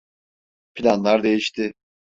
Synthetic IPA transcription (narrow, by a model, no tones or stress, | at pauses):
pʰilʲanlˠaɾd̪e̞jiʃt̪ʰɪ